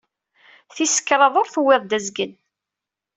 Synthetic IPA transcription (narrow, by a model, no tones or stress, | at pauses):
θisə̥kːɾˤɑðˤoɾˤθuwːɪðˤd̪æzɡən